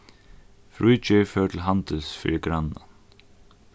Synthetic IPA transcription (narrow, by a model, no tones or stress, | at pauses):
fɹuːt͡ʃɪɹfœːɹt̪ʰɪlɦant̪ɪlsfḭːɹɪɡɾanːa̰n